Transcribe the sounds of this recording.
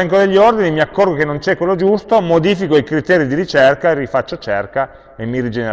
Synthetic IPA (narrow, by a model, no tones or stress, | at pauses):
ɛŋkod̪eʎːiord̪inimiakːorɡokenːont͡ʃɛkwelːod͡ʒust̪omod̪iːfikoikɾit̪ɛːɾid̪iɾit͡ʃerkaerifat͡ʃːot͡ʃɛrka | emːirid͡ʒene